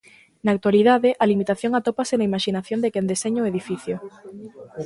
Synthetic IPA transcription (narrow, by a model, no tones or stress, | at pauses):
naːk̚t̪waliðaðeʔalimit̪aθjoŋat̪opasenaimaʃinaθjond̪ekend̪eseɲoːeðifiθjo